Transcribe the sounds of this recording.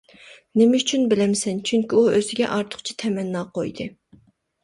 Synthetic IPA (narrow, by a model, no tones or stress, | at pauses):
nemɛyt͡ʃʰynbɪlɛmsɛnt͡ʃʰyŋkʲiuøzɪɡʲɛ̰ʔɑɾt̪ʰʊ̥χt͡ʃʰi̥t̪ʰɛmɛnːɑːqojd̪ɨ